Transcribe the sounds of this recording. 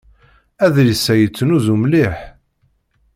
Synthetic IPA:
æðɾisːæjət͡sːnuðumliħ

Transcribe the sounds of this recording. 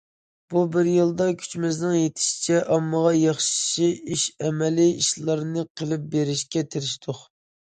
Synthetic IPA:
b̥ubɪɾjilˠd̪ɑkʲʰy̥t͡ʃmɪznɨŋjet̪ʰɪ̥ʃi̥t͡ʃʰɛʔɑmːəʁɑjɑχʃʃiiʃɛmɛlɪiʃlˠɑɾnɨqʰəlˠɨp̚beɾɪʃkʲɛt̪ʰɪɾɪʃt̪ʰoq

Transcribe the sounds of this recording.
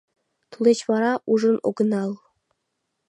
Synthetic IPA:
t̪ulʲˠet͡ɕʋɑɾɑʔuʐɤ̆no̰ɡɤ̆nɑlˠ

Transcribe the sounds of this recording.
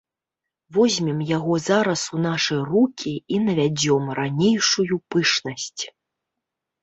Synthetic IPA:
vɔzʲmʲimjaɣɔzaɾɐsunaʂɐjrukʲʰiinɐvʲad͡zʲɔmɾanʲejʂujupɨʂnɐsʲt͡sʲ

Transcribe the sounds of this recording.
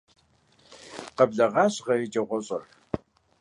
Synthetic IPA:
qɐbɮɐʁɑːɕʁɐjɪd͡ʒʼɐʁʷɔɕʼɐr

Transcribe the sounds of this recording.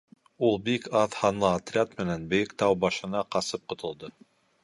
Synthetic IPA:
ulˠbikɑðhɑnlˠɤat̪rʲat̪mɘ̆nænbɘ̆jɘkt̪ɑwbɑʃɤ̆nɑqɑsɤp̚qŏt̪ŏlˠd̪ɤ

